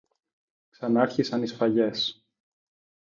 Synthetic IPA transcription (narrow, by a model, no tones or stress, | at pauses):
ksɐnɐɐɾçisɐnisfɐʝe̞s